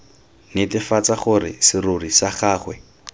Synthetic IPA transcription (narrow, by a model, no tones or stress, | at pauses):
netɪfat͡saχʊɾɪ̰sɪrurisaχaːχwɛ